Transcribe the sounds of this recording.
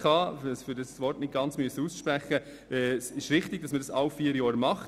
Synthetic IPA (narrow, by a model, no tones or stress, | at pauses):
ɑɛsfʏɾdɑsʋɔrtnɪt̚ɡ̥ɑnt͡smyəsːəusʃpɾæχə | ɛsɪʃɾɪχtɪɡ̥̚dɑsməɾdɑsɑwfiːəɾjɔːɾmɑχ